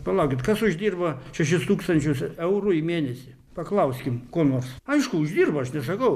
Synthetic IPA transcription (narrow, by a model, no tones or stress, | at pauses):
pɐlˠɐʊkʲɪt̪kɐsʊʒd̪ʲiːrbɐʃʲɛʃʲɪst̪uːkst̪ɐnʲt͡ʃʲʊsɛʊɾʊimʲeːnʲɛsʲi | pɐklˠɐʊsʲkʲɪmkoːnoːrsɐɪʃkʊʊʒd̪ʲiːrbɐɐʃnʲɛs̬ɐkɐʊ